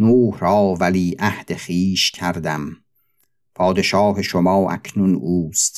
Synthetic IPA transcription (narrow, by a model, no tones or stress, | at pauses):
nuːhɾɒːvæliːʔæhd̪̥eχiːʃcʰæɾd̪æm | pʰɒːd̪e̞ʃɑːɦeʃomɑːʔæ̰kʰnunuːst̪